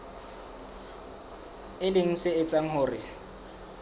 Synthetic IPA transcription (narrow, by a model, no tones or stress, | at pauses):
ɪlɪŋ̩sɪɪt͡sʼaŋ̩ɦʊːrɪ